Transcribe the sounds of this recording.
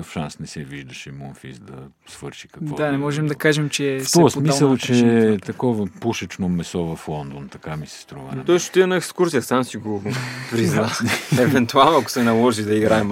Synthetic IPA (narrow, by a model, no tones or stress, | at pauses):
əfʃansnɛsɛviʒd̪ɐʃɛmonfḭsd̪ɐ | svɤɾʃi̥kɐkvdɔanɛmɔʒɛmd̪ɐkaʒɛmt͡ʃɛft̪ɔɾəsmisəlˠt͡ʃɛt̪ɐkɔvəpuʃɐt͡ʃnomɛsɔvɐflˠɔnd̪ont̪ɐkamisɛ̥st̪ɾuvə̰t̪ɔisʃo̥t̪iɐnɐɛkskuɾsijɐsamsiɡopɾiznaɛvɛnt̪ualˠnoɐkʊ̥sɛnɐlˠɔʒid̪ɐiɡɾaɛm